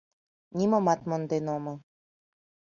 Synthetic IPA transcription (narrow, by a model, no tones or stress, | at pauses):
nʲimŏmɑt̪mŏnd̪enomɤ̆